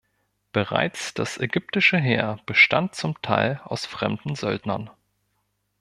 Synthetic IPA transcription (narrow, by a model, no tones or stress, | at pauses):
b̥əʁa̰ɪt͡sd̥asʔɛɡʏp̚tɪʃəɦeːɐb̥əʃta̰nt̚t͡sʊmtʰa̰ɪlaʊsfʁ̥ɛ̰mdn̩zœldnɐ̰n